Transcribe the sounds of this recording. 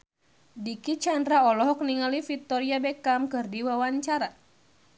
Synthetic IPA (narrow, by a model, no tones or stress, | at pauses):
dikit͡ʃandɾaɔlɔɦɔk̚niŋalifit̪ɔɾiabɛkamkɨrdiwawaɲt͡ʃaɾa